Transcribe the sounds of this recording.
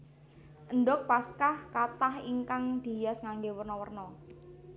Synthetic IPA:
ʔənɖɔk̚paskahkat̪ahiŋkaŋd̪̥i̤jasŋaŋɡewərnɔwərnɔ

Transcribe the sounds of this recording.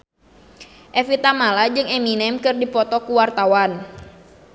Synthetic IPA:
ʔɛfit̪amalad͡ʒɨŋɛminɛmkɨrdipɔt̪ɔkuwart̪awan

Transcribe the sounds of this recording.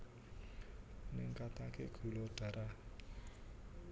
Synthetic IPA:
nɪŋkat̪akeɡ̥ṳlod̪̥a̤ɾa

